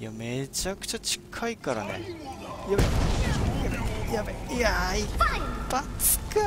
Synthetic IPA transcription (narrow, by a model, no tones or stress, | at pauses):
jame̞t͡ɕakɯ̟̥t͡ɕat͡ɕi̥kʰaikaɾa̰nḛjabejaejabejaibat͡sɨ̥kɯ